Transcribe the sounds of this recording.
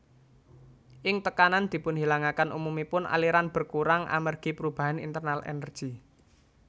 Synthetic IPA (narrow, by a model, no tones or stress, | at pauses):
ʔɪŋt̪əkanand̪̥i̤pʊnhilaŋakanʔṵmumipʊnʔa̰liɾanb̥ə̤rkuɾaŋʔa̰mərɡ̥i̤pəɾub̥a̤ɦanḭnt̪ərnalʔḛnərd̥ʒ̥i̤